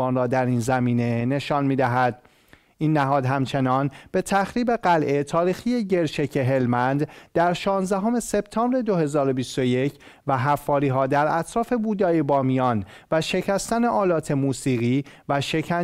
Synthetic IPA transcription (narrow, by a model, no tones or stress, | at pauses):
ɒːnɾɒːd̪æɾiːnzæmiːne̞ne̞ʃɒːnmiːd̪æɦæd̪̥̚ | ʔiːnːæɦɒːd̪ɦæmt͡ʃʰe̞nɒːnb̥e̞t̪ʰæxɾiːbe̞ɢælʔe̞t̪ʰɒːɾiːxiːjeɟe̞ɾʃecʰe̞ɦe̞lmænd̪d̪̥æɾʃɒːnzd̪æɦo̞me̞se̞b̥t̪ʰɒːmbɾe̞d̪oɦe̞zɒːɾo̞bist̪oje̞cʰ | væɦæfːɒːɾiːɦɒːd̪æɾæt̪ʰɾɒːfe̞buːd̪ɒːjebɒːmijɒːnvæʃe̞cʰæst̪æne̞ʔɒːlɒːt̪ʰe̞muːsiːɣiːvæʃe̞cʰæ